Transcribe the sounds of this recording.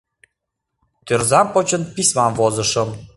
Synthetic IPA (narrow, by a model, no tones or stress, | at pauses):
t̪ørzɑmpot͡ɕə̆npisʲmɑmvozɤ̆ʃɤ̆m